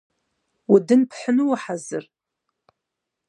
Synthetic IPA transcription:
widɨnpʰħənɨwaħazɨr

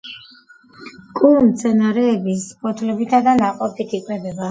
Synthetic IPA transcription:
kʼumt̪sʰɛnaɾɛːbispʼɔt̪ʰlɛbit̪ʰad̪anaqʼɔpʰit̪ʰikʼwɛbɛba

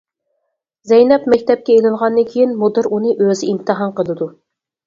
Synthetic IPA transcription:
zɛjnɛpmɛkʲt̪ɛp̚kʲɛelɪlʁɑnd̪ɨnkʲʰijinmud̪ɨɾunɨʔøzɪimt̪ʰɨɦɑmqʰəlˠɨd̪u

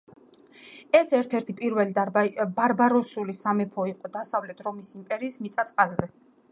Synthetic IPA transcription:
ɛsɛɾt̪ʰɛɾt̪ʰipʼiɾvɛlibaɾbaɾɔsulisamɛpʰɔiqʼɔd̪asavlɛt̪ʰɾɔmisimpʼɛɾiːsmit̪sʼat̪sʼqʼalˠzɛ

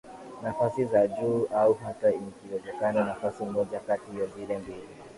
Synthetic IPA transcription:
nafasizaʄuːauɦataikiwɛzɛkananafasimɔʄakatihijɔvilɛmbili

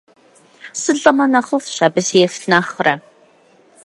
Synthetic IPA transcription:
sɨɮɐmɐnɐχəfɕaːbɨsjɛfɬnaːχrɐ

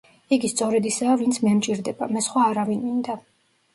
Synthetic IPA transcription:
iɡist̪sʼɔɾɛd̪isaːvint̪sʰmɛmt͡ʃʼiɾd̪ɛba̰mɛsχwaːɾavinmind̪a

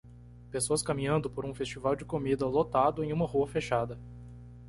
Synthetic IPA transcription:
pesoɐskɐmĩɲɐ̃nd̪ʊpoɾũfest͡ʃivawd͡ʒɪkomid̪ɐlot̪ad̪ʊẽj̃ũmɐhuɐfeʃad̪ɐ

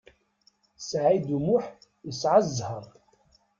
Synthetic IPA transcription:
sʕid̪umuħ | jəsʕazˤːhəɾˤ

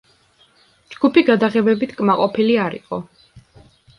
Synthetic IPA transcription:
d͡ʒɡ̥upiɡad̪aʁɛbɛbit̪ʰkʼmaqʼɔpʰiliaɾḭqʼɔ

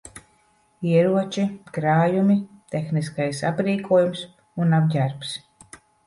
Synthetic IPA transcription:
iɛɾuɔt͡ʃikɾaːjumit̪exniskajsa̰pɾiːkʰuɔjums | unabɟʲaɾps

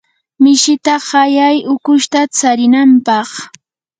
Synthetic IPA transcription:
mɪʃɪt̪aɢɑjajʊkʊʃt̪at͡saɾɪnampɑχ

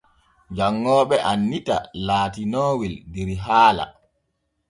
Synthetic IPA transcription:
d͡ʒaŋːɔːɓɛʔanːita̰laːtinoːwildɛɾiɦaːla̰

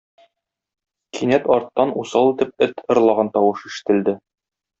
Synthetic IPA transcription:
kʰinæt̪ɒɾt̪ːɑnusɑlˠit̪ɘp̚ɘt̪ʰɤ̆ɾlˠɑʁɑnt̪ɒwɤʃiʃɘ̥̆t̪ɘ̆ld̪ɘ

